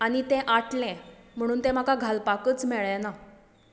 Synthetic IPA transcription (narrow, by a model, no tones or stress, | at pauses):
aɽ̃it̪ɛ̃ʔaʈlɛ̃m̤əɽ̃uːnt̪ɛ̃m̤akaɡʱalpakət͡smeɭjɛna